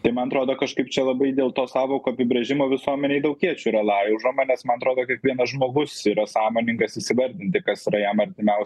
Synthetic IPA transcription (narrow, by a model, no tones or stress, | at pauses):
t̪ɐɪmɐnɐt̪ɾoːd̪oːkɐʃkɐɪpt͡ʃʲɛlˠɐbɐɪd̪ʲeːlˠt̪oːsɑːʋoːkoːɐpʲɪbʲɾʲɛʒʲɪmoːʋʲɪsuɔmʲɛnʲɛɪd̪ɐʊkʲiɛt͡ʃʲuiɾɐlˠɑːjɛʊʒomɐnʲɛsmɐnɐt̪ɾoːd̪oːkʲiɛkʋʲiɛnɐʒmoːɡʊsiːɾɐsɑːmoːnʲɪŋɡɐsisʲɪʋɐɾʲd̪ʲɪnʲt̪ʲɪkɐsiɾɐjɛmɐɾʲt̪ʲɪmʲɛʊs